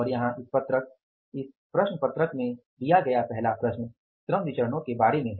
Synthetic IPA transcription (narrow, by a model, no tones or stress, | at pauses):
ɔːɾjɐɦãʔɪspɐt̪ɾək̚ | ɪs | pɾɐʃɳəpɐt̪ɾəkmẽ | d̪ijaɡɐjapɛɦlapɾɐʃn | t̪ɾəmd̪ɪt͡ʃəɾəñõkebaːɾemẽɦ